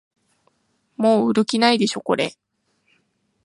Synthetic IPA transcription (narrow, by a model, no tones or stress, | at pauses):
mo̞ːɯɾɯ̟kʲinaid̪e̞ɕo̞ko̞̰ɾe̞̰